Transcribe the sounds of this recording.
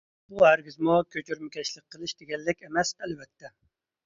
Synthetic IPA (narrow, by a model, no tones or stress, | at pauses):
buhæɾɡʲizmukʲʰøt͡ʃʰyɾmɪkʲʰɛʃlˠɪk̚ʲqʰːəlˠɨʃd̪̥eɡʲɛlːɪkʲemɛsɛlbɛt̪ʰːɛ